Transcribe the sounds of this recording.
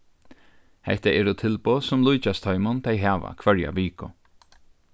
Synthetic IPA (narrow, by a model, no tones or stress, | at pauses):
hɛ̰ht̪aʔɛːɾʊt̪ʰɪlposʊmlujt͡ʃast̪ʰɔʏmʊnt̪ʰɛjɦaːʋa̰kʰvœɹja̰ʋiːkʊ